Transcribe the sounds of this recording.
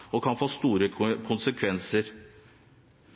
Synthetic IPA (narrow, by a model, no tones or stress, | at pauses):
ɔkʰɑnfoːst̪uːɾəkʰʊnsəkʰʋɛnsəɾ